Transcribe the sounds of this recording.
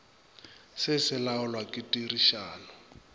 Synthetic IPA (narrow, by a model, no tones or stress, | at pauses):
sɪsɪlaʊlwakʼɪtʼiriʃaːlɔ